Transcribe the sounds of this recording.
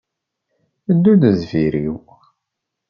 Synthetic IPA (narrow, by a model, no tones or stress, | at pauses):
əd̪ːudəzviɾiw